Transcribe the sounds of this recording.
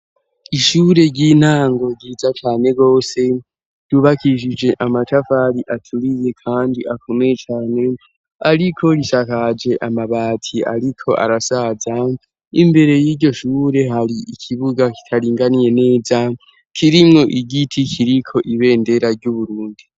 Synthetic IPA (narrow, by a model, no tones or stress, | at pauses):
iʃuːɾe̞ɟiːn̥haːŋɡo̞ɡiːzat͡ʃaːne̞ɡo̞ːse̞ | d̥uβakiʃ̬id͡ʒe̞ʔamatʰafaɾiʔatʰuɾize̞kʰaːndiʔakʰo̞mejet͡ʃaːne̞ | aɾikʰo̞ɾiʃakad͡ʒe̞ʔamaβaːtʰia̰ɾikʰo̞ʔa̰ɾasaːza | imbe̞ɾe̞jiːɟo̞ʃuːɾe̞ɦaɾiʔikʰiβuɡaki̥tʰaɾiːŋɡanije̞ne̞ːza | kʰiɾimŋo̞ʔiɡitʰikʰiɾikʰo̞ʔiβe̞ːnde̞ɾaɾɟuβuɾuːndi